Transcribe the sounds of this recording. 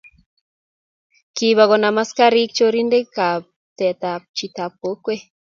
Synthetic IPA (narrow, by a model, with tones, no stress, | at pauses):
ki˨βa˨ɣɔ˨na˨ma˦ska˦ɾi˦k̚t͡ʃo˦ɾi˦nde˦ka˨p̚ | t̪ɛ˨t̪a˨p̚t͡ʃi˨t̪a˨p̚o˨˦kwe˦